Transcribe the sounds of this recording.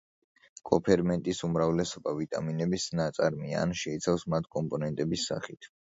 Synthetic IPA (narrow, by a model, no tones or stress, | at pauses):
kʼɔpʰɛɾmɛnt̪ʼisumɾavlɛsɔbavit̪ʼaminɛbisnat̪sʼaɾmia̰nʃɛit̪sʰafsmat̪ʰkʼɔmpʼɔnɛnt̪ʼɛbisːa̰χit̪ʰ